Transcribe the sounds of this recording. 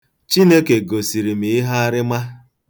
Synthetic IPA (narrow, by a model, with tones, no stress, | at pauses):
t͡ʃi˦ne˦ke˨ɡo˨si˨ɾi˨mi˨ɪ˦ɦa˦a˦ɾɪ˦ma˦